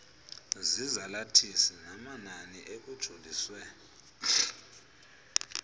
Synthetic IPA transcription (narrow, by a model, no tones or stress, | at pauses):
zizalatʰisɛnamananiʔek̬ud̥ʒ̥ʱoliswɛ